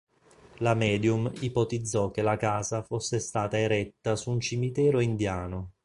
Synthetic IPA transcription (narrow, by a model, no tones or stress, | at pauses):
lamɛːd̪jumipot̪id̪zːɔk̟ːelakaːzafosːest̪aːt̪aeɾɛt̪ːasuːnt͡ʃimit̪ɛːɾoind̪jaːno